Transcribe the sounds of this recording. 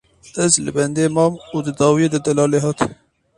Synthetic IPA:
əzlɨ̰bɛnd̪eːmɑːmuːd̪ɨd̪ɑːwijed̪ɨd̪ɛlɑːleːɦɑːt̪

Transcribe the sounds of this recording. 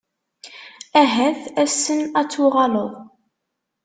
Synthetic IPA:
æɦæθæsːənæt͡sːuʁɑləðˤ

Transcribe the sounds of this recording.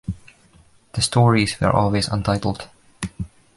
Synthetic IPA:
ðəstʰɔːɹizwə̰˞ʔɔ̰lˠwezə̰̃ntʰaɪtl̩ˠd̥

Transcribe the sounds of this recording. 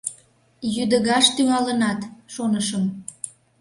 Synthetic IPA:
jyd̪əɣɑʃt̪yɣɑlənɑt̪ʃonəʃəm

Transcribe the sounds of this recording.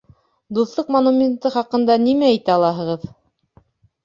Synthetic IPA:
d̪uθlˠɤqmonumʲent̪ɤχɑqɤ̆nd̪ɑnimææt̪æɑlˠɑɦɤ̆ʁɤð

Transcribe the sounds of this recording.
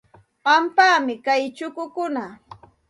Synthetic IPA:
pampaːmɪkajt͡ʃʊkʊkʊna

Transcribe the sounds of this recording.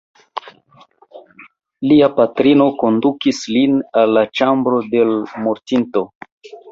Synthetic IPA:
liapatɾino̞ko̞ndukislinalːat͡ʃambɾo̞de̞lmoɾtinto̞

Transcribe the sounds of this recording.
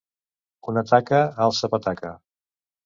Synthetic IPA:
unət̪akəalˠsəpət̪akə̰

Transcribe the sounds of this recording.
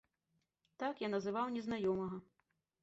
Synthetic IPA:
t̪akjanɐzɨvawnʲɛznajɔmɐɣɐ

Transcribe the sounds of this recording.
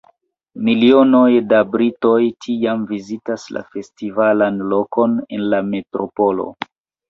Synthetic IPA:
milio̞nojdabɾito̞jtʰiamvizitasla̰fe̞stivalanlo̞kʰo̞ne̞nlame̞tɾo̞po̞lo̰

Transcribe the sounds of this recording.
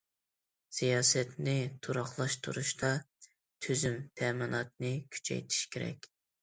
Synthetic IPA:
sijɑːsɛt̪nɪt̪ʰuɾɑχlˠɑʃt̪ʰṵɾuʃt̪ɑ | t̪ʰyzymt̪ʰɛmɪnɑt̪̚nɨkʲʰy̥t͡ʃʰɛ̰jt̪ʰi̥ʃkʲʰeɾɛ̰kʲ

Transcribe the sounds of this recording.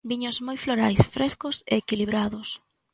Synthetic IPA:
biɲʊzmojfloɾajsfɾeskʊseːkiliβɾaðʊs

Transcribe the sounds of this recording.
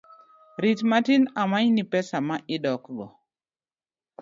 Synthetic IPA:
ɾitmatinamaɲnipɛsamaʔɪdɔkɡɔ

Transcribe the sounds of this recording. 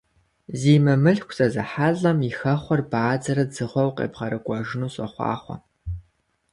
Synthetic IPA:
ziːmɨmɨɬkʷʰsʼɐzɐħaɮɐmixɐχʷɔrbaːd͡zɐɾɐd͡zɨʁʷɔwqʼḛːbʁɐɾɨkʷʼɔʒɪnuːɕʼɐ̰χʷɑ̰ːχʷɔ̰

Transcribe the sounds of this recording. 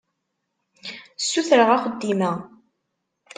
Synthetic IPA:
sːuθɾəʁaχəd̪ːimæ

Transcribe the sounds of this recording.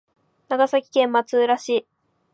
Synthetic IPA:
naɡasakʲi̥kẽ̞mmat͡sɨːɾaɕiː

